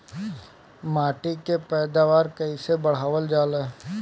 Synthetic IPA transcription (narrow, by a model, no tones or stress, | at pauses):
maːʈikepɛːd̪aːʋaːɾkəisebəɽ̤aːʋəld͡ʒaːleː